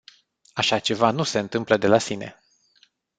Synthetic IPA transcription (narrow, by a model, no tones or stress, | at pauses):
aʃat͡ʃe̞vanuse̞ɨnt̪ɨmpləd̪e̞lasine̞̰